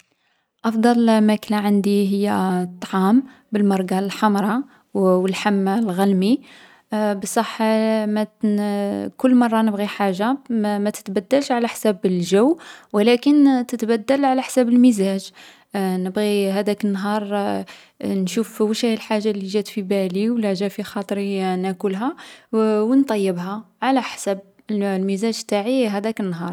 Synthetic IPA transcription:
ʔɑfd̪ˤɑlmæklæʕənd̪iɦəjːæt̪ˤːʕɑm | bəlmɑɾˤɡɑlħɑmɾˤɑ | wəlħamːlɣælmi | bəsˤɑħːmæ | kʊlːmɑrˤːɑnəbɣiħaʒːamæt̪ə̥t̪bæd̪ːælʃʕalæħsæbəlʒæwːwəlækənt̪ət̪bæd̪ːəlʕalæħsæbəlmizæʒ | nəbɣiɦæd̪ækənːɦɑɾˤ | nʃufwəʃhæjlħaʒːalːiʒæt̪fibæliwlæʒæfixɑt̪ˤɾinækʊlɦæ | wənt̪ˤɑjːəbɦa | ʕalæħsæb̚ | lmizæʒt̪ːaʕiɦæd̪ækənːɦɑɾˤ

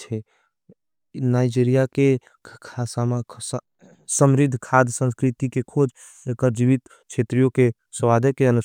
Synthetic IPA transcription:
t͡ʃʰɛ | naːɪd͡ʒiɾijake | kʰasama | səmɾɪd̪ʱkʰaːd̪ʱsə̃nskɾɪt̪ikekʰoːd͡ʒ | ekəɾd͡ʒiʋit̪ | t͡ʃʰeːt̪ɾijõke | səʋaːd̪ʱekeənu

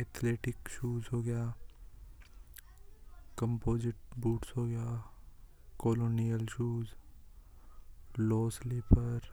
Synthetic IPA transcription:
eːt̪ʰleːʈɪkʃuːzɦoːɡɐjaː | kə̃mpoːd͡ʒɪʈ̚buːʈsɦoːɡɐjaː | koːloːnijəlʃuːz | loːsleːpʰəɾ

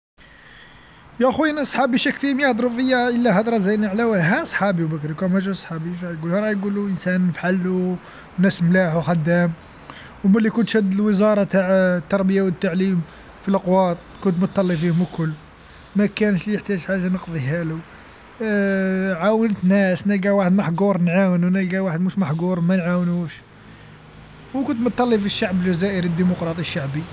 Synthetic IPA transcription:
jæxunæsˤħɑbiʃækːfimjæhd̪ˤɾufəjːaʔəlːæhɑd̪ˤɾˤɑzæjnʕlæwɦæsˤħɑbiwbəkɾikumæʒusˤħɑbiɾˤɑjɡulhɾˤɑjɡuluʔənsænfħalːu | næsmlaħuxæd̪ːæm | wmælikʊnt̪hæd̪əlwəzɑɾˤɑt̪aʕt̪ːɑɾˤbəjawət̪ːaʕlim | filqwɑt̪̚ˤkʊnt̪mət̪ˤːɑlːifihʊmlkʊlː | mækænʃliəħt̪æʒħaʒanəqd̪ˤiɦælu | ʕawənt̪næsnæɡæwaħəd̪maħɡuɾˤnʕawnunæɡæwaħəd̪muʃmaħɡuɾˤmænʕawnuʃ | wkʊnt̪mʊt̪ˤːɑlːifiʃːaʕblʒæzæʔəɾəd̪ːimʊqɾˤɑt̪ˤiəʃːaʕbi

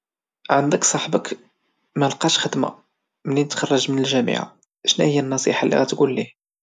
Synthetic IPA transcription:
ʕənd̪əksˤɑħbək | mælqɑʃxəd̪ma̰ | məlːinət̪xɑrˤːɑʒmənəlʒæmḭʕa̰ | ʃnæhəjːænːɑsˤḭħalːḭɣæt̪ɡulːih

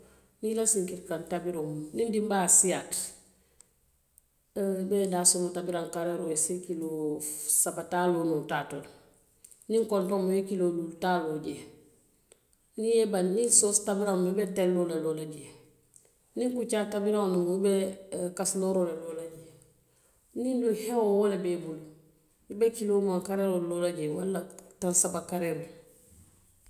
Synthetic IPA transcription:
nilasiŋkikantabiɾomnindimbasijat | bedasomotabiɾaŋkaɾeɾojesikilosabatalonutatol | niŋkontomoekilolultaloɟe | niebanninsostabiɾamubetellolelolaɟe | niŋkut͡ʃatabiɾawnumubekasloɾoleloːlaɟe | ninduhewowolebebulu | jibekilomaŋkaɾeɾololaɟewalːatansabakaɾeɾo

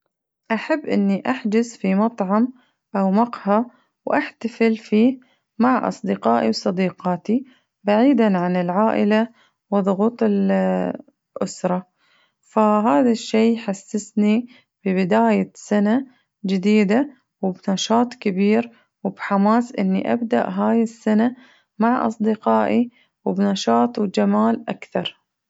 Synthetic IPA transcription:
ʔaħabːʔɪ̰nːiʔaħd͡ʒɪsfimɑt̪ˤʕɑm | ʔawmɑqha | wʔaħt̪afɪlfiː | maʕʔɑ̰sˤd̪ɪqɑːʔiwsˤɑd̪iːqɑːt̪i | baʕiːd̪anʕanɪlʕaːʔɪla | wɨðˤʊɣuːt̪ˤɪl | ʔʊ̰sɾˤɑ | faɦaːðaʃːejːħasːɪsni | b̥ɪbɪd̪aːjasana | d͡ʒɪd̪iːd̪a | wɪbnɑʃɑːt̪ˤkɪbiːɾ | wɪbħamaːsʔɪ̰nːḭʔa̰bd̪a̰ʔɦaːjɪsːana | maʕʔɑ̰sˤd̪ɪqɑːʔi | wbnɑʃɑːt̪ˤwd͡ʒamaːlʔa̰kθɑɾˤ

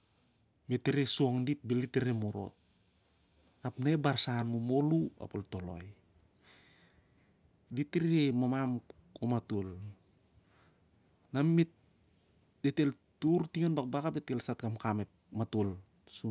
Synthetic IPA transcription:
meteɾesoŋdit̚beliteɾemoɾo̞̰t̚ | apnaebaɾsanmumo̞lua̰poltolo̰j | ditiɾiemamam | omatul | nammet | d̥etel | tuɾtiŋanbak̚bakapetkelsatkamkamep̚ | matul | su

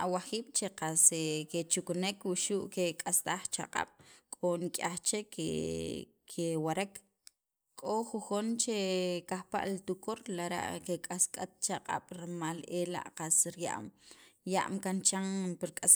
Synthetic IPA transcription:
awaχiːɓ̥t͡ʃeqaseket͡ʃuknekwuʃuːʔkekʼast̪aχt͡ʃa̰qʼa̰ɓ̥kʼonikʼaχt͡ʃekḛ | kʰewaɾek | kʼoχuχont͡ʃekahpa̰ʔlit̪ukoɾlaɾa̰ʔkekʼaskʼat̪̚t͡ʃaqʼa̰ɓ̥ɾmalela̰ʔqasɾja̰ʔmja̰ʔmkant͡ʃaŋpiɾkʼas

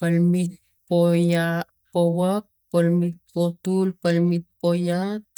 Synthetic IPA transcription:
palmit̪̚ | poja | powak̚palmit̪̚pot̪ulpalmit̪̚pojat̪̚

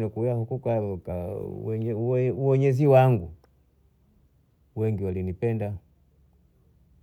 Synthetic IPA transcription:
nɛkujahukukaɔka̰ɛɲɛuwɛɲɛziwaŋɡu | wɛŋɡiwalinipɛnda

